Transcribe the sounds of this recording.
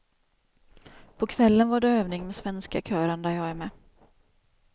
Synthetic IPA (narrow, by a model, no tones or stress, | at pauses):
pʰɔkʰvɛlːənvaɖɛøːvnɪŋmɛsvɛnska̰kʰœːɾənd̪æɾjɑːɡæɾmɛː